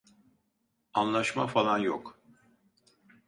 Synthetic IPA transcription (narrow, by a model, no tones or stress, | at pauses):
anlˠaʃmafalˠanjok